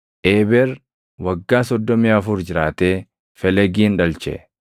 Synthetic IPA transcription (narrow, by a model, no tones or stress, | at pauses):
ʔeːbɛɾ | wɐɡːaːsɔd̪ːɔmɪaːfʊɾd͡ʒɪɾaːt̪eː | fɛlɛɡiːnᶑɐlt͡ʃɛ̰